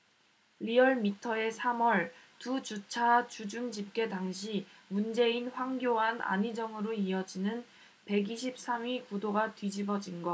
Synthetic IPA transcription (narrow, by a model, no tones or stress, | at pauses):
liʌɭmitʰʌe̞sʰamʌɭtud͡ʑut͡ɕʰat͡ɕud͡ʑuŋd͡ʑip̚k͈e̞taŋɕʰimund͡ʑe̞inɸwaŋɡjoɦana̰ɲid͡ʑʌŋɯɾoiʌd͡ʑinɯn | pe̞ɡiɕʰip̚s͈amikudoɡatɥid͡ʑibʌd͡ʑinɡʌ